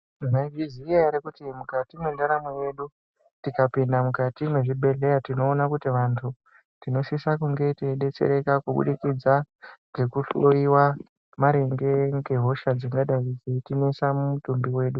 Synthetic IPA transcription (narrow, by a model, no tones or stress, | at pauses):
naɡiziajaɾekutimukatimwendaɾamoje̞ɗu | tikapindamukatimwe̞ʐibʱe̞ɮe̞jatino̞ːnakutiʋantʰu | tino̞sisakuŋɡe̞teɗe̞t͡se̞̰ɾe̞kakuɓṵɗikid͡zaŋɡe̞kuɬoiwa | maɾe̞ŋɡe̞ŋɡe̞ɦo̞ʃad͡ziŋɡaɗaid͡zetinesamumutumbiwe̞ːɗu